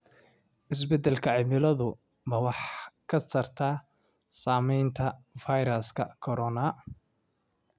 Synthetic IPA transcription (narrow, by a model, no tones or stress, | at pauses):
ʔɪs̬bɛd̪ɛlkʰɐʕɪmɪlɐðʊ | bɐwɑħkʰɐt̪ʰɐrt̪ʰaː | saːmɛjnt̪ʰɐfajɾɐskʰɐ̰kʰɔɾɔnɐ